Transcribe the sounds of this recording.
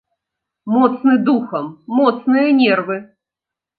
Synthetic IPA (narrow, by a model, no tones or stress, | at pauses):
mɔt̪snɨd̪uxɐmːɔt̪snɨjɐnʲɛrvɨ